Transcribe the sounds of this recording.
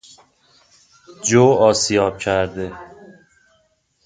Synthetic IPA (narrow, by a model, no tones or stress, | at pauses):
d͡ʒoːɒːsijɒːb̥̚cʰæɾd̪e